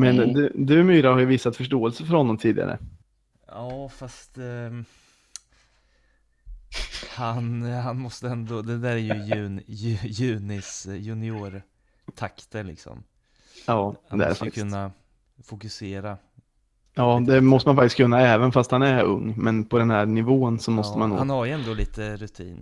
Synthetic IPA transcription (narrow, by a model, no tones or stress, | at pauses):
mɛnd̪ʉd̪ʉ̟myːɾahaɾjəviːsːat̪fœʂʈoːɛlsəfœɾhɔnːɔmt̪ʰiːd̪ɪɡa̰ɾə̰ | ɑːfast̪ | hanɦanmɔst̪əɛnd̪ɔd̪ɛd̪æːɾæɾjɵjʉ̟ːnjʉjʉ̟ːnɪsjʉnɪuːɾ | t̪ʰakt̪əlɪ̰ksɔ̰m | ɑːd̪ɛæ̰ɾakʰɵnːa | fʊkɵseːɾa | jɑːd̪ɛmɔst̪əmanfak̚t̪ɪskʰɵnːaɛːvənfast̪hanæɾɵ̰ŋːmɛnpʰɔd̪ɛnhæːɾnɪvoːənsɔmɔt̪əmanːo̰hːanhaɾjəɛnd̪oːliːt̪əɾɵt̪ʰḭːn